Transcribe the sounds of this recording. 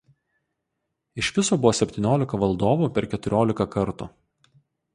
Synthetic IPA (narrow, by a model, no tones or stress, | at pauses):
ɪʃʋʲɪsoːbʊʋoːsʲɛpʲt̪ʲiɪnʲoːlʲɪkɐʋɐlˠd̪oːʋuːpʲɛɾkʲɛt̪ʊɾʲoːlʲɪkɐkɐɾt̪ṵː